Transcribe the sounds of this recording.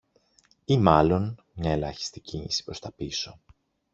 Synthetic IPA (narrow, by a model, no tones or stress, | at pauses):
imɐlo̞n | mɲɐe̞lɐ̰çi̥st̪iciɲḭsi̥pɾo̞st̪ɐpiso̞